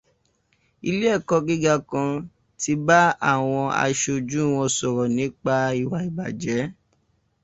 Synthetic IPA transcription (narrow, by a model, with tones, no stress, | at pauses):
i˧le˦ɛ˦˨kɔ˧ɡi˦ɡa˧kã˧ | ti˧ba˦a˦˨w̃ɔ̃˧a̰˧ʃo˧d͡ʒũ˦˨w̃ɔ̃˧sɔ˨ɾɔ˨nĩ˨˦k͡pa˧i˦˨wa˨i˨ba˨d͡ʒɛ˨˦